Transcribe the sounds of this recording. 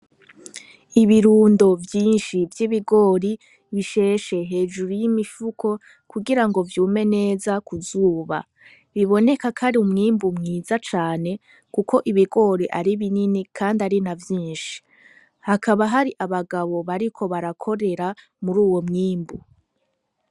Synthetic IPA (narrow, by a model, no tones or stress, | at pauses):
iβiɾuːndo̞vjiːnʃivjiβiɡo̞ːɾi | βiʃe̞ːʃe̞ɦe̞ːd͡ʒuɾujimifukʰo̞ | kuɡiɾaŋɡo̞vjuːme̞ne̞ːzakuzuːβa̰ | βiβo̞ne̞kakʰaɾiumŋiːmbumŋiːzat͡ʃaːne̞ | kukʰo̞ʔiβiɡo̞ɾiʔaɾiβininikʰaːndaɾinavjiːnʃi̥ | hakaβaɦaɾiʔaβaɡaβo̞βaɾikʰo̞βaɾakʰo̞ɾe̞ɾa | muɾuːwo̞mŋiːmbu